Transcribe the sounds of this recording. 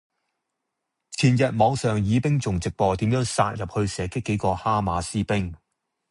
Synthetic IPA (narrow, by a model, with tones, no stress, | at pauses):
t͡sʰiː˨˩njɐ˨t̚mɔː˨˧ŋsœː˨ŋjiː˨˧pɪ˥ŋt͡sʊ˨ŋt͡sɪ˨k̚pɔː˧t̪iː˨˥mjœː˨˥ŋsa̰ː˧t̚jɐ˨p̚hɵ˧ɥsɛː˨˥kɪ˥kːe˨˥jkɔː˧haː˥maː˨˧siː˥pɪ˥ŋ